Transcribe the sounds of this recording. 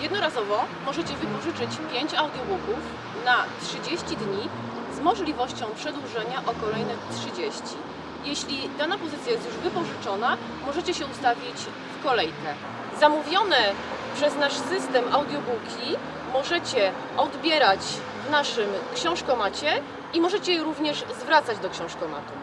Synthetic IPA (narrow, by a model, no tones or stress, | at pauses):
jɛd̪nɔɾazɔvɔmɔʐɛt͡ɕɛvɘpɔʐɘt͡ʂɘt͡ɕpʲjeɲt͡ɕawd̪jɔbukuf | natʂɘd͡ʑeɕt͡ɕid̪ɲi | zmɔʐlʲivɔɕt͡ɕɔ̃w̃pʂɛd̪wuʐɛɲaʔɔkɔlɛjnɛtʂɘd͡ʑeɕt͡ɕi | jɛɕlʲid̪anapɔzɘt̪sʲjajɛst̪juʐvɘpɔʐɘt͡ʂɔn̪a | mɔʐɛt͡ɕɛɕɛust̪avʲit͡ɕ | fkɔlɛjkɛ | zamuvʲjɔnɛ | pʂɛznaʂsɘst̪ɛmʔawd̪ʲjɔbukʲʰi | mɔʐɛt͡ɕɛ | ɔd̪bʲjɛɾat͡ɕ | vnaʂɘmkɕɛ̃w̃ʂkɔmat͡ɕɛ | imɔʐɛt͡ɕɛɛɾuvɲɛʐzvɾat̪sad͡ʑd̪ɔkɕɛ̃w̃ʂkɔma̰t̪u